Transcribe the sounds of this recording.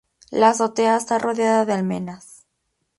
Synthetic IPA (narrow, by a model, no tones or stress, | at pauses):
laso̞t̪eaest̪arʔo̞ðjaðaðealme̞nas